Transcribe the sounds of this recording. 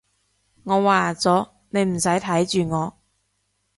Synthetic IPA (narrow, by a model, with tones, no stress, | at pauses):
ŋɔː˨˧waː˨˧t͡sɔː˨˥ | ne˨˧jm̩˨˩sɐ˨˥jt̪ʰɐ˨˥jt͡ʃyː˨ŋɔː˨˧